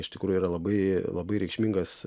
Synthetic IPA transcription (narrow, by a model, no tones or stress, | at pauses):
ɪʃt̪ʲɪkɾuːjʊiːɾɐlˠɐbɐɪlˠɐbɐɪɾʲɛɪkʃʲmʲiŋɡɐs